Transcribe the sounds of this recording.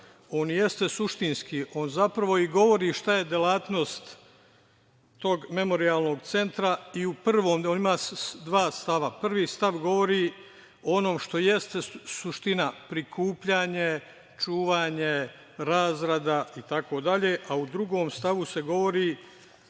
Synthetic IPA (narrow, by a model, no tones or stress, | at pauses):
o̞ːnje̞st̪e̞suʃt̪inskiːʔo̞ːnzapɾaʋo̞iɡo̞ʋo̞ɾiːʃt̪aje̞d̪elaːt̪no̞st̪ | o̞ɡme̞mo̞ɾiaːlˠno̞ɡ̚t̪se̞nt̪ɾaiuprʋo̞ːmoːnimaːd̪ʋaːst̪aʋapr̩ʋiːst̪aʋɡo̞ʋo̞ɾi | oono̞ːmʃt̪o̞je̞st̪esuʃt̪inapɾikʰuːpʎaːɲe̞ | t͡ʃuːʋaːɲe | ɾaːzɾad̪ait̪ako̞ːd̪aʎe̞ːʔaud̪ɾuɡo̞ːmst̪aʋuseɡo̞ʋo̞ɾiː